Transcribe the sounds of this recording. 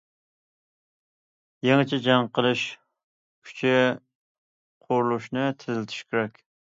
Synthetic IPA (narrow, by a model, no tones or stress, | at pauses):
jeŋɪt͡ʃʰɛd͡ʒɑŋqʰəlˠɨʃ | kʲʰy̥t͡ʃʰɪ | qʰoɾlˠuʃnɨt̪ʰɪzɪlt̪ʰy̥ʃkʲeɾɛkʲ